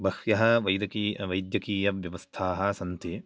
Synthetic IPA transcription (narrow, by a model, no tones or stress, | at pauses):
bɐhjɐɦɐ̆ʋɐjd̪ɐkiʋɐjd̪jɐkiːjɐʋjɐʋɐst̪ʰaːɦɐ̆sɐnt̪ʰi